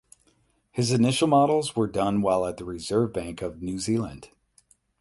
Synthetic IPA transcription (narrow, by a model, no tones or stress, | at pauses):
hɨzɨnɪʃl̩ˠmɑɾl̩ˠzwə˞dʌ̃nwaɪlˠət̪̚ðəɹɪzɜ˞vbæ̃ŋkʌvnʉzilˠə̰̃nd̥